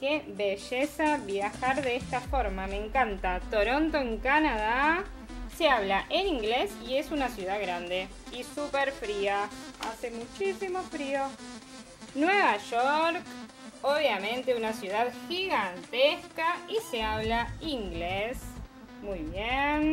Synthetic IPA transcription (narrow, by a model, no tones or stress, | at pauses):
keβeʒesaβjaxaɾðeest̪afo̞ɾmameŋkant̪at̪o̞ɾo̞nt̪oeŋkanaða | seaβlaʔeniŋɡlesiesunasjuð̞aðɣɾand̪e̞ | isupeɾfɾiaa̰se̞mut͡ʃisimo̞fɾio̞ | nweβaʒoɾk | oβjamẽ̞nt̪eunasjuð̞aðxiɣant̪eskaise̞aβlaiŋɡles | mujβjen